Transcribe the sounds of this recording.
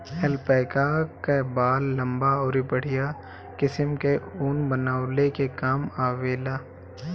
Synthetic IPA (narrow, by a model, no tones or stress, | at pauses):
ɛlpɛːkakebaːlːɐ̃mbaɔːɾibəɽ̤ɪja | kɪsəmkeuːnbənaːʊlekekaːmaːʋeːlaː